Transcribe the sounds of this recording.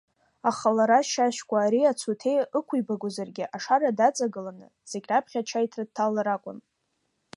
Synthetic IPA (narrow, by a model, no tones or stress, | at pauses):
aχalaɾaʃaʃkʷʼaːɾiat͡sʰutʰe̞jəkʷʰujbaɡʷozarɡʲɪʔaʂaradat͡sʼaɡɨlanɨ̰ | z̥eɡʲʼrapʰχʲat͡ʃʰajtʰrad̚tʰːalaɾakʷʼʊn